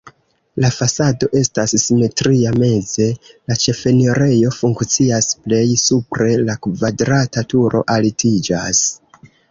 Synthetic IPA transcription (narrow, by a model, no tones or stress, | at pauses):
lafasado̞ʔe̞stasːime̞tɾiame̞ze̞lat͡ʃe̞fe̞niɾe̞jo̞fuŋkt͡siasple̞jsupɾe̞lakvadɾatatuɾʔo̞̰ʔalitʰid͡ʒas